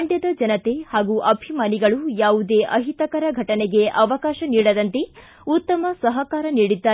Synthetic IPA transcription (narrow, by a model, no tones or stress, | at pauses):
ɳɖjɐd̪ɐd͡ʒɐnɐt̪e̞haːɡuʔɐbʱimaːniɡɐɭujaːʋud̪e̞ːʔɐɦit̪ɐkɐɾɐɡʱɐʈɐnɛɡe̞ʔɐʋɐkaːʃɐniːɽɐd̪ɐnt̪e | ut̪ːɐmɐsɐɦɐkaːɾɐniːɽid̪ːaː